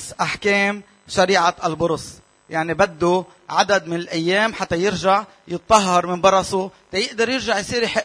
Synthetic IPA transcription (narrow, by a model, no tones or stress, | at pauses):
sʔaħkeːm | ʃaɾiːʕaʔalbʊɾʊs | jaʕnibad̪ːu | ʕad̪ad̪mɪnɪlʔajːeːmħat̪ːajɪɾʒaʕ | jɨt̪̚ˤːɑɦːɑɾˤmɪnbɑɾˤɑsut̪ɑjɪʔd̪ɑɾjɪɾʒaʕjsˤiːɾiħɪʔ